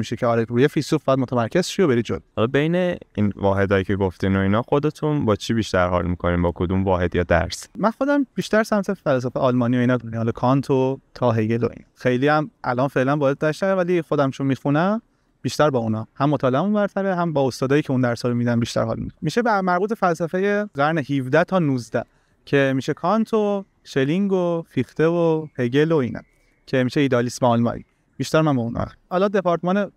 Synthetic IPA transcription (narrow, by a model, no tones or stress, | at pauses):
miʃecʰeɒːɾeujefisufbæːæd̪mo̞t̪ʰæmæɾcʰezʃijobeɾid͡ʒo̰d̪̚mhɒlɒbe̞jneinvɒːɦe̞d̪ɒːjikcʰeɡoft̪inoiːnɒːxod̪et̪ʰunbɒːt͡ʃʰibiʃt̪æɾhɒ̰lmikʰoniːmbɒːkʰod̪umvɒːɦed̪jɒːd̪æ̰ɾsmænxo̞d̪æmbiʃt̪æɾsæmt̪ʰefæls̬æfeʔɒlmɒːniːjoinɒːd̪onihɒlɒkʰɒnt̪ʰot̪ʰɒːɦejelo̰ḭːnɒxejliːæmʔæ̰lʔɒːnfe̞ʔlænbɒːjed̪̚ːɒeʃæɾævælixo̞d̪æmt͡ʃʰonmiːxunæm | b̥iːʃt̪æɾbɒːunɒhæmːot̪ʰɒːleæmunbæɾt̪ʰæɾeɦæmbɒːost̪ɒːd̪ɒːjiːcʰeund̪æɾsɒːlomid̪ænbiʃt̪æ̰ɾhɒ̰lmḭxumiʃebmæɾbuːt̪̚befælsæfejeɣæɾnehivd̪æt̪ʰɒːnuːzd̪æ̰ | cʰe̞miːʃekʰɒnt̪ʰo | ʃeliŋɡofixt̪evoheɟelo̞iːnʔæ̰ | cʰe̞miːʃeiːd̪eːlisbæɒlmɒ̰ḭ | b̥iːʃt̪æɾmænbɒunɒ̰hɒːlɒːd̪e̞pʰɒɾt̪emɒne